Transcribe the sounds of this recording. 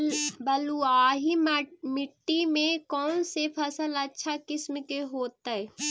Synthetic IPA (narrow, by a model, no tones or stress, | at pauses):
bəluaːɦimɪʈːimẽkɔːnsepʰɐsələtːʃʰakɪsmkeɦoːt̪aɛ